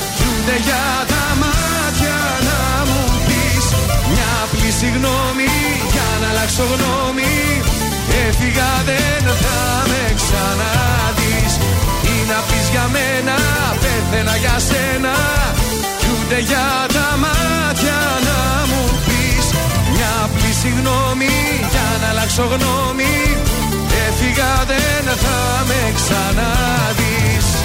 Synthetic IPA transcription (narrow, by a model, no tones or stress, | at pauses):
çund̪e̞ʝɐ | t̪ɐmɐ | t̪çɐ | nɐ | mupismɲɐ | plisiɣno̞mi | ʝɐnɐlɐkso̞ɣno̞ | mi | efiɣɐðe | nθɐ | me̞ksɐnɐ | ðisinɐpizʝɐmenɐ | penθe̞nɐʝɐsenɐ | çund̪e̞ʝɐ | t̪ɐmɐ | t̪çɐ | nɐ | mupis | ɲɐ | plisiɣno̞mi | ʝɐnɐlɐkso̞ɣno̞ | mi | efiɣɐðe | nɐθɐ | meksɐnɐ | ðis